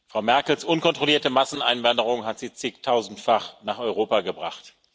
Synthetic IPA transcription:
fʁ̥aʊmɛɐkl̩sʔʊnkɔntʁ̥oliːɐtəmasn̩a̰ɪnvandəʁʊŋɦatz̥iːt͡sɪktʰaʊzn̩tfaχnaːχɔʏʁoːpaɡəbʁa̰χt

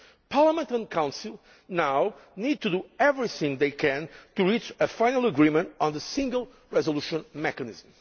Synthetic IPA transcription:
pʰaɹləmə̃ntə̃nkʰãw̃nsilˠ | nawnid̚t̪uduɛvɹiθɪ̃ŋðeɪkʰɛ̃ntuɹit͡ʃəfãɪ̃nəlˠəɡɹimə̃ntɔ̃n̩ðəsĩŋɡəlˠ | ɹɛzəlˠuʃə̃nmɛkɨnɪzm̩

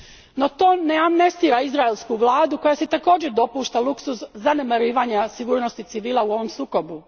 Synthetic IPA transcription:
no̞t̪o̞ːne̞amnest̪iːɾaizɾaelˠskuʋlaːd̪uko̞jaset̪ako̞ːd͡ʑed̪o̞puːʃt̪alˠuksusːanemaɾiːʋaɲasiɡuːɾno̞st̪it̪siʋiːlˠauo̞ʋo̞msuːko̞bu

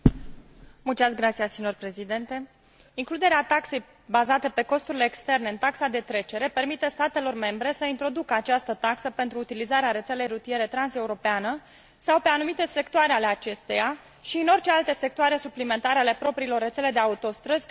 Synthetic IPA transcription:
mult͡ʃ̪iasɡɾat̪sijassinorpɾe̞zid̪e̞nt̪e̞ | iŋklud̪e̞ɾeat̪akse̞j | bazat̪əpe̞ko̞st̪uɾile̞ːkst̪e̞rne̞ɨnt̪aksad̪e̞t̪ɾe̞t͡ʃe̞ɾe̞pe̞rmit̪est̪at̪e̞lo̞rme̞mbɾe̞səint̪ɾo̞d̪ukəat͡ʃast̪ət̪aksəpe̞nt̪ɾuːt̪ilizaɾeaɾe̞t̪se̞le̞jrut̪ije̞ɾe̞t̪ɾanse̞uɾo̞peanə | sawpe̞anumit̪e̞se̞kt̪oaɾe̞ale̞at͡ʃe̞st̪eja | ʃiɨno̞rt͡ʃe̞alt̪e̞se̞k̚t̪oaɾe̞suplime̞nt̪aɾe̞ale̞pɾo̞pɾilo̞rːesele̞d̪e̞aut̪o̞st̪ɾəzʲ

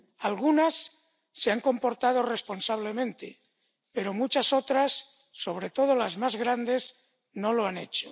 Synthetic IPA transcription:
alɣunasː | eaŋkõ̞mpo̞ɾt̪að̞ore̞spo̞nsaβ̞le̞mẽ̞nt̪e | pe̞ɾo̞mut͡ʃaso̞t̪ɾasː | o̞β̞ɾe̞t̪o̞ð̞olazmazɣɾand̪e̞s | no̞lo̞ane̞̰t͡ʃo̥

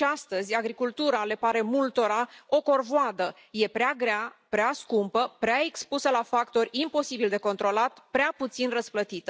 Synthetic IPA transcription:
ast̪əzʲaɡɾikult̪uɾale̞paɾe̞mult̪o̞ɾao̞ko̞rvoad̪ə | je̞pɾeaɡɾeapɾeaskumpəpɾeae̞kspusəlafakt̪o̞rʲimpo̞sibild̪e̞ko̞nt̪ɾo̞lat̪pɾeaput̪sinrəsplət̪it̪ə

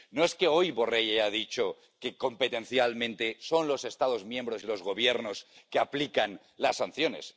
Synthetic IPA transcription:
noe̞ske̞o̞jβo̞re̞jeaðit͡ʃo̞ | ke̞ko̞mpet̪e̞n̟θjalmẽ̞nt̪e̞so̞nlo̞se̞st̪að̞o̞zmjẽ̞mbɾo̞silo̞zɣo̞βje̞ɾno̞ske̞aplikan | lasːan̟θjo̞ne̞̰s

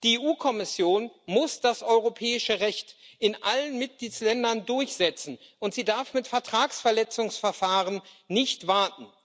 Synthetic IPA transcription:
d̥ieʔuːkʰɔmɪsjoːnmʊsd̥asʔɔʏʁopʰɛːɪʃəʁɛçtʔɪnʔalənmɪt̚ɡ̥liːtslɛndɐndʊɐçz̥ɛt͡sn̩ʔʊntz̥iːdaɐfmɪtfɛɐtʁ̥aːksfɛɐlɛt͡sʊŋsfɛɐfaːʁənnɪçtv̥aɐtn̩

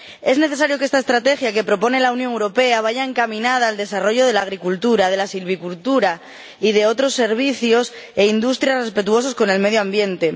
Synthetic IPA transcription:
e̞zneθe̞s̬aɾjo̞keest̪ae̞st̪ɾat̪e̞xjake̞pɾo̞po̞ne̞launjoŋewɾo̞pe̞aβ̞aʝaeŋkamĩnað̞aːld̪e̞saro̞ʝo̞ðe̞laɣ̞ɾikult̪uɾað̞e̞lasilβikult̪uɾa | ið̞e̞o̞t̪ɾo̞sːe̞ɾβ̞iθjo̞s | e̞ind̪ust̪ɾjasre̞spe̞t̪uo̞sosko̞ne̞lme̞ðjoambje̞nt̪e̞

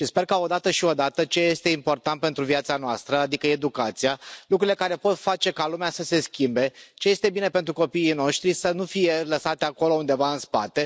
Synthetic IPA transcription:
ʃispe̞rkao̞d̪at̪əʃio̞d̪at̪ət͡ʃe̞je̞st̪e̞impo̞rt̪ant̪̚pe̞nt̪ɾuviat̪sanoast̪ɾəad̪ikəe̞d̪ukat̪sijalukɾuilekaɾe̞po̞t̪fat͡ʃe̞kalumeasəse̞skʲimbe̞t͡ʃe̞je̞st̪e̞bine̞pent̪ɾuko̞piːno̞ʃt̪ɾisənufije̞ləsat̪ʲako̞lo̞und̪e̞vaɨnspat̪e̞

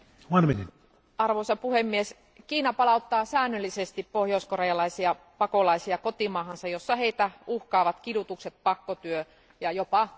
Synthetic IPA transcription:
ʋɑnminin | ɑrʋoisɑpuhemːies | kiːnɑpɑlɑut̪ːɑːsæːnːølːisest̪ippohjouskorejɑlɑisiɑ | pɑkolɑisiɑkot̪imɑːhɑnsɑjosːɑheit̪æuhkɑːʋɑt̪kidut̪ukset̪̚pɑkːot̪yø | jɑjopɑ

